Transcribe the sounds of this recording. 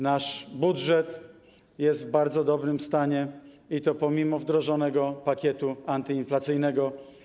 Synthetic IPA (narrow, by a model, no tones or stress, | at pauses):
naʂbudʐɛt̪ | jɛst̪vbaɾd̪zɔd̪ɔbɾɘmst̪aɲɛ | it̪ɔpɔmʲimɔvd̪ɾɔʐɔnɛɡɔpakʲjɛt̪uant̪ɘinflat̪sɘjnɛɡɔ